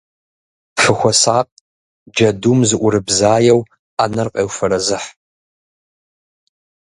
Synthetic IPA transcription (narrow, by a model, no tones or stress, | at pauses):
fɨxʷɔsaːq̚ʼ | d͡ʒɐdumzɨʔʷʊɾɨbzaːjɛw | anɐrqʼeːwfɐɾɐzɨħ